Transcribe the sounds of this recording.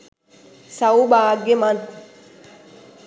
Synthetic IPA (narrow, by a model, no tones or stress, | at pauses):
sɐwbaːɡemɐn